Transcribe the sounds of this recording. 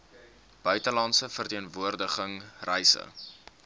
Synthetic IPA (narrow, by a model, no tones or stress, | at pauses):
b̥œɥtəlɐntsəfərtiənvuərdəχəŋrɛjsə̰